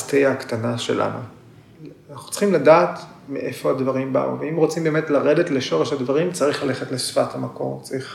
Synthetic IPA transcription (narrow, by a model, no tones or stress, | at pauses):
tejaakt̪anaʃe̞̰lʔa̰nṵ | naχnu̥t͡sχimladaːt | meʔe̞fo̞advaʁimba̰ṵveimʁot͡simbeːmetlaʁe̞detleʃo̞ʁeʃadvaʁimt͡saʁiχlale̞χetlesfathamako̞̰ʁt͡saʁiχ